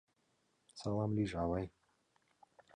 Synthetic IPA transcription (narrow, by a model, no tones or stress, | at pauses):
t͡salˠamlʲiʒavaj